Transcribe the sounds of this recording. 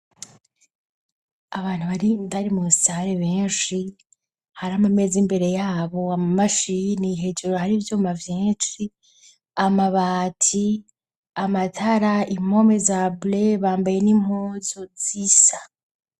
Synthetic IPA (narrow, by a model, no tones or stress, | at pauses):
aβaːn̥uβaɾiβaɾimuusaɾeβeːnʃi | haɾamame̞ːzimbe̞ɾe̞jaːβo̞amamaʃiniɦe̞d͡ʒeɾohaɾiːvjoːmavjeːnʃi | amaβaːtʰi | amatʰaɾaim̥o̞mezableβaːmbaje̞nim̥hoːzozisḁ